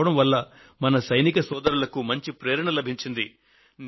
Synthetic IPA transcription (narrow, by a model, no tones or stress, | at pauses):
ɐɽɐmʋɐlːɐ | mɐnɐsɐjnikɐsɔːd̪ɐɾulɐkumɐɲt͡ʃipɾeːɾɐɳɐlɐbʱiɲt͡ʃind̪i | n